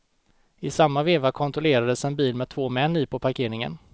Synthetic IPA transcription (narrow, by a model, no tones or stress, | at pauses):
ɪsamːaveːvakʰɔnt̪ɾɔleːɾad̪əsɛnbiːlmɛt̪ʰvoːmɛnːiːpʰɔpʰaɾkʰeːɾɪŋə̰n